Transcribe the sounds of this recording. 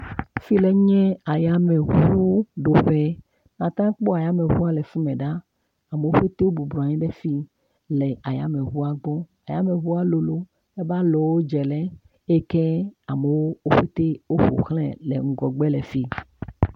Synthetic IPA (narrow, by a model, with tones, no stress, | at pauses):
fi˦le˨˦ɲɛ̃˦a˨ja˦mẽ˨ɦu˦u˦ɖo˨ɸɛ˦ | nã˨t̪ã˦k͡pɔ˦a˨ja˦mẽ˨ɸu˦a˦lɛ˨fi˦mẽ˨ɖa˦ | a˨me˨wo˦ɸe˦t̪e˦wo˦bu˨blɔ˨a˨ɲĩ˦ɖe˦fi˦ | le˨a˨ja̰˦mẽ˨ɦu˦a˦ɡ͡bɔ˦a˨ja˦mẽ˨ɦu˦a˦lo˨lo˦ | e˦ba˦lɔ˨wo˦d͡ʒɛ˨lɛ˦ | e˦kɛ˦a˨me˨wo˦o˦ɸe˦t̪e˦wo˦ɸo̰˨xlɛ̰̃˦lḛ˨ŋ̩˦ɡɔ˨ɡ͡be˦le˨fi˦